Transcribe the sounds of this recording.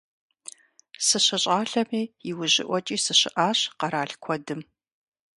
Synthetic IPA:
sɨɕɐɕʼaːɬɐmiːjiwʊʑɪ̰ʔʷɔt͡ʃʼiːsɨɕɪʔaːɕqɐɾaːɬkʷʰɔdɨm

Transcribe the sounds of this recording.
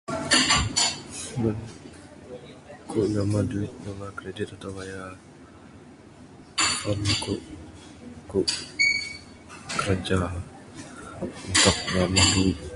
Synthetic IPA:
bən | kuʔnamaduɪt̪̚namakɾedɪt̪at̪awaja | pankuʔ | kuʔ | kəɾad͡ʒa | unt̪ʊk̚namaduɪt̪̚

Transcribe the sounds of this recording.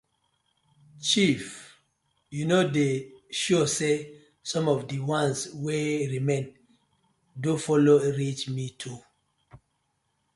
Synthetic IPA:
t͡ʃif | junodeʃose | sɔ̃mɔvdiwãnsweɹimẽn | dufɔloɹit͡ʃmitʰu

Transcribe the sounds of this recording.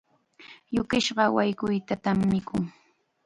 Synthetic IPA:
jʊkɪʃɢɑwajkʊjt̪at̪amːɪkʰʊŋ

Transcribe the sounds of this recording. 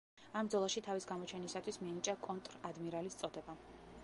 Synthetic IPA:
ambd̪zɔlˠaʃit̪ʰavisɡamɔt͡ʃʰɛnisat̪ʰwismianit͡ʃʼakʼɔnt̪ʼɾad̪miɾalist̪sʼɔd̪ɛba

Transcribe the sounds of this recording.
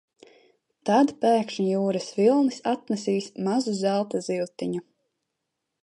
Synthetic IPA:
t̪ad̪pæːkʃɲijuːɾasvilˠnisat̪nɛsiːsmazuzælˠt̪azilˠt̪iɲu

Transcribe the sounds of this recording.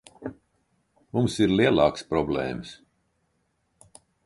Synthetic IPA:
mumsiɾliɛlˠɑːkspɾɔblɛ̰ːms

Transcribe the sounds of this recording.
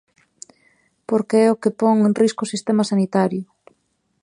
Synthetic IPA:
poɾkeɛʊkepɔŋenriskʊsist̪emasanit̪aɾjʊ

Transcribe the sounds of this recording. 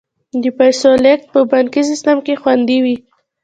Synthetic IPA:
d̪əpajsolek̚t̪̚pəbaŋkis̬ɪst̪amkexwand̪iwi

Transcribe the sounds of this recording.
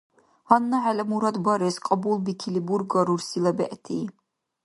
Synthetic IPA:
hanːaʕalɛmuɾad̪baɾɛsqʼɑbulˠbikʰilibuɾɡaɾuɾsilabɛ̰ʔt̪ʰiː

